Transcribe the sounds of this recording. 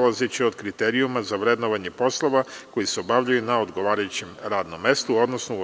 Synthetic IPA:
lazet͡ɕio̞d̪kɾit̪eɾiumazaʋɾed̪noʋaɲe̞po̞slˠoʋako̞jiseo̞baʋʎajunao̞d̪ɡo̞ʋaːɾajut͡ɕemɾaːd̪no̞mːe̞st̪uo̞d̪nosnou

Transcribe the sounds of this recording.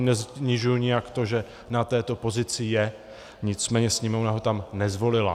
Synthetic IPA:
nɛzɲɪʒujʊɲɪjakt̪o̞ʒɛ | nat̪ɛːt̪o̞po̞zɪt͡sɪjɛ | ɲɪt͡smɛːɲɛsɲimonaɦo̞t̪amnɛzvo̞lɪla̰

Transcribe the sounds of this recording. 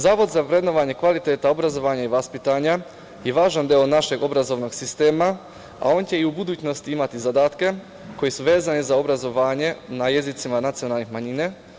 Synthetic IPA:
zaːʋo̞d̪zapɾe̞d̪no̞ʋaɲe̞kʋalit̪e̞ːt̪ao̞bɾazo̞ʋaːɲaiʋaspit̪aɲa | je̞ʋaːʒand̪eonaʃe̞ɡo̞bɾazo̞ʋno̞ɡsist̪eːma | a̰o̞ːnt͡ɕe̞iubud̪uːt͡ɕno̞st̪iimat̪izad̪aːt̪ke̞ | ko̞jesuʋe̞ːzanizao̞bɾazo̞ʋaːɲe̞naje̞zit̪simanat̪sio̞nalˠnixmaɲine

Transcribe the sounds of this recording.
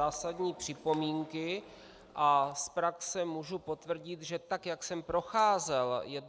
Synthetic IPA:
aːsad̪ɲiːpr̝̥ɪpo̞miːŋkɪ | ʔaspɾaksɛmuʒupo̞t̪vr̩ɟɪt̪ʒɛt̪akjaksɛmpɾo̞xaːzɛljɛd

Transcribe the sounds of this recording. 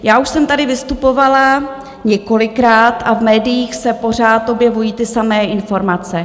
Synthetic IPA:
jaːuʃsɛmt̪adɪvɪst̪upo̞vala | ɲɛko̞lɪkɾaːt̪avmɛːdɪjiːxsɛpo̞r̝aːt̪ʔo̞bjɛvujiːt̪ɪsamɛːʔɪnfo̞ɾmat͡sɛ

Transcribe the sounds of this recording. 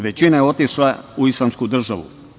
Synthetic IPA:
ʋe̞t͡ɕinajeo̞t̪iʃlauislˠamskud̪r̩ʒaʋṵ

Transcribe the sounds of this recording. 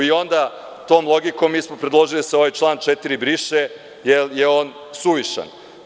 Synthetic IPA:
io̞nd̪a | t̪o̞ːmlo̞ɡikomːiːsmopɾed̪lˠo̞ʒiliseo̞ʋajt͡ʃlˠaːnt͡ʃet̪iɾibɾiʃe | jejeo̞ːn | suʋiʃa̰n

